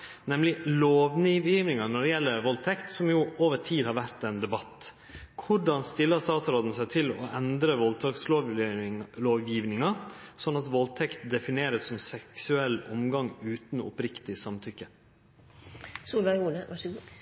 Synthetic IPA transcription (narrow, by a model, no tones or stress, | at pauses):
nɛmlɪloːʋniːʋjiːʋnɪŋɑnɔɾɛjɛlːəɾʋɔlt̪ʰɛkt̪sɔmjuːʔoːʋəɾtʰiːhɑɾʋæɾt̪ɛnd̪ɛbɑt̪ː | kʰʊɖɑnst̪ɪlːəst̪ɑːt̪sɾoːd̪n̩sæɪt̪ʰɪlɔ̰ʔɛnd̪ɾəʋɔlt̪ʰɑksloːʋ | loːʋjiːʋnɪŋɑsɔnːɑt̪ʋɔlt̪ʰɛkt̪d̪ɛfɪneːɾəsːɔmsɛksʉɛlːɔmɡɑŋʉːt̪nʊ̰pɾɪkt̪ɪsɑmt̪ʰʏkːə | suːlɛɡuːʋɑɡ